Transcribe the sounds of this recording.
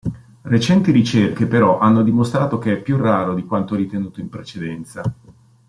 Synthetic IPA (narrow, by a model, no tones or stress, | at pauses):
ret͡ʃɛnt̪iɾit͡ʃerkepeɾɔʔanːod̪imost̪ɾaːt̪ok̟eɛpːjurːaːɾod̪ikwant̪oɛɾit̪enuːt̪oimpɾet͡ʃed̪ɛnt̪sa